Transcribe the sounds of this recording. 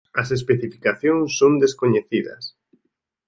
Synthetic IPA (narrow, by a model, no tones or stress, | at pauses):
ɐsespeθifi̥kaθjõŋsːond̪eskoɲeθiðɐ̰s